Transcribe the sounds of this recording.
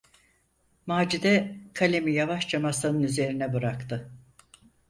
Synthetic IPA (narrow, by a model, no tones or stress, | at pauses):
maːd͡ʒid̪ɛkʰalʲemijavaʃt͡ʃamasɯnɯnyze̞ɾinɛbɯɾakt̪ʰɯ